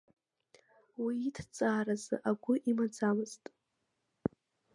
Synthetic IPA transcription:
wiːtʰt͡sʼaːrazɨ̰ʔaɡʷʊʔimad͡zamɨz̥tʼ

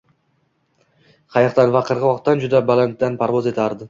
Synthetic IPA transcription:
qʰɑjɑqt̪anvaqʰɨɾʁɨwɒqt̪ːand͡ʒʊd̪abalant̪̚d̪anpʰaɾvɒze̞t̪ʰaɾd̪ɪ

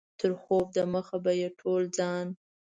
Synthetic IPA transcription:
t̪ʰəɾxob̚d̪aməxabajeʈʰold͡zɑn

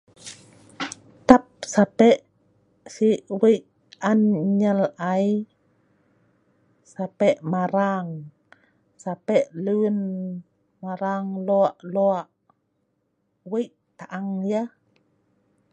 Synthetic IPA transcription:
t̪ap̚sapɛʔ | siʔwəjʔ | anɲəlaj | sapɛʔmaɾaŋ | sapɛʔluwən | maɾaŋloaʔloaʔ | wəjʔ | t̪aʔaŋjə

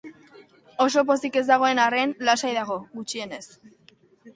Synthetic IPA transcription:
o̞so̞p̬o̞sike̞zd̪aɣ̞o̞e̞nare̞nlasajðaɣ̞o̞ɣut͡ʃie̞ne̞s

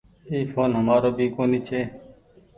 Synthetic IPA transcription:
iːfʰoːnɦəmaːɾoːbʱiːkoːniːt͡ʃʰeː

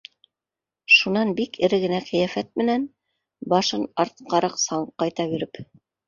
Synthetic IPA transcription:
ʃunɑnbikʰɘ̆ɾɘɡɘ̆næqĭjæfæt̪̚mɘ̆næn | bɑʃɤnɑɾt̪̚qɑɾɑqsɑɴqɑjt̪ɑbiɾɘp

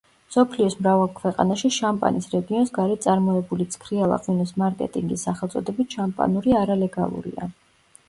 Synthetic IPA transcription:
sɔpʰliɔsmɾavalˠkʰvɛqʼa̰naʃiʃampʼa̰nisɾɛɡiɔnsɡaɾɛt̪sʼaɾmɔɛbulit̪sʰkʰɾialˠa̰qʼwinɔsmaɾkʼɛ̰t̪ʼiŋɡisːaχɛlˠt̪sʼɔd̪ɛbit̪ʃampʼa̰nuɾiaɾalɛɡa̰lˠṵɾḭa̰

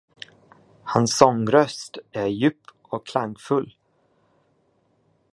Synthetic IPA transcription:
hansːɔŋɾœst̪æɾjʉ̟ːpʰː | ɔkkʰlaŋɡfɵlː

